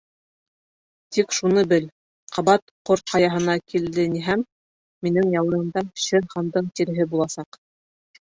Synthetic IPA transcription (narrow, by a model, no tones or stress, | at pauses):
t̪ikʃunɤbɘl | qʰɑβɑt̪qoɾt̪qɑjɑɦɤ̆nɑkʰild̪ɘniɦæmː | inɘŋjɑwɤ̆ɾɤ̆md̪ɑɕɘɾχɑnd̪ɤɴt̪iɾɘ̆ɦɘbulˠɑsɑq